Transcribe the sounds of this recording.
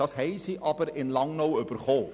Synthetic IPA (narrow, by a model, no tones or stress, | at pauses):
ɐsɦɛjsiʔʔɑpəɾɛnlɑŋnowəpərχɔ